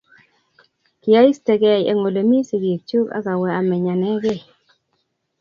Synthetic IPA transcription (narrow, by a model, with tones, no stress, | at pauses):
kɪ˨ja˦i˦ste˨ɡɛ˨jɛ̰˨ŋo˨le˨mi˦si˨ɡi˨k̚t͡ʃu˦ka̰˦ka˨wɛ˨a˨mɛ˨ɲa˨nɛ˦ɡe˦˨